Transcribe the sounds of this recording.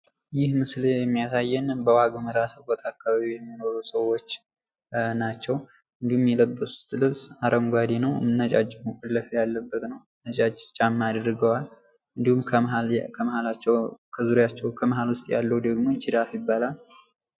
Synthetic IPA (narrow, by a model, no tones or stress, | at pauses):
jɪhmɨslejɛmːijasajːɛnbəwaɡəməɾasəβɔt̪ʰʼakːaβaβijɛmːinoɾusəwːo̞t͡ʃː | nat͡ʃːɛw | ɨnd̪ihumjɛləbːəsʊ̥st̪ʼlɨβsaɾʔəŋɡʷad̪enəwmɨnːət͡ʃʼad͡ʒːməkʼolːəfəjalːəbːət̪ʼnəw | nət͡ʃʼad͡ʒːt͡ʃʼamːad̪ɾɨɡəwal | ʔɨnd̪ihumkʰəakʰəməhalat͡ʃːɛwkʰəzuɾjat͡ʃːɛwkʰəməɦalwʊst̪ʼjalːəwud̪əɡmo̞t͡ʃɪd̪afjɪbːalal